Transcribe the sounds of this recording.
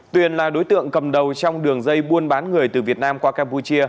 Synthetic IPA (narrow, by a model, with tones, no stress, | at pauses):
t̪wi˨˩ənlaː˨˩ɗo˨˦jt̪ɨ̰˧˨əŋkə˨˩mɗə˨˩wt͡ɕɔ˧wŋ͡mɗɨ˨˩əŋzə˧jɓu˧ənɓaː˨˦nŋɨ˨˩əjt̪ɨ˨˩vi˨˩ət̚naː˧mkwaː˧kaː˧mpu˧t͡ɕi˧ə